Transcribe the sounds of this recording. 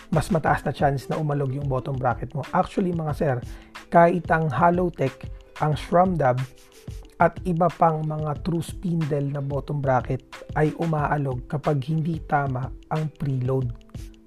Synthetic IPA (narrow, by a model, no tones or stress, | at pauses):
mɐsmɐt̪ɐʔasnɐt͡ʃansnɐʔʊmɐlo̞ɡjʊŋbo̞ːt̪oŋbɾaːkɛt̪̚mo̞ʔak̚t͡ʃʊwɐlimɐŋasɛɾkaːʔɪt̪ɐŋhaːlowt̪ɛkʔɐŋʃɹamd̪ab | ʔɐt̪ɪbɐpɐŋmɐŋat̪ɾuspind̪ɛlnɐboːt̪oŋbɾaːkɛt̪̚ʔɐjʔʊmaːʔɐlo̞ɡ̚kɐpaɡ̚hɪnd̪it̪aːmɐʔɐŋpɾiːlod̪̚